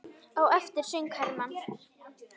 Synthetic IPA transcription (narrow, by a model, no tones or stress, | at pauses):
ɔwɛft̪ɪɾ̥sʏŋkʰaɾman